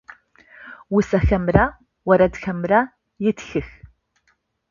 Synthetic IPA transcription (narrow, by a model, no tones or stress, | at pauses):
wʊsɐxɐmra | wɐɾɐdxɐmra | jɪtxɨx